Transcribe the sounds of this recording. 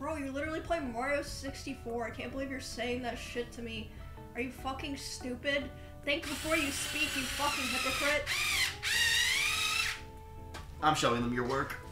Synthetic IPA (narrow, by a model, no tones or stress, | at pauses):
b̥ɹoʊjɨlɪɾə˞l̩ˠipʰl̥eɪmɑɹoʊsɪkstifɔɹaɪkʰæ̃nb̥əlivjə˞seɪɪ̃ŋðɨtʃɪtʰɨmi | ə˞jɨfʌkɪ̃ŋstʉpɪd̚ | θæ̃ŋksb̥əfɔɹjɨspikjɨfʌkɪ̃ŋɦɪpəkʰɹɪt̚ | ʔãɪ̃mʃoʊɪ̃ŋðə̃mjə˞wɜ˞k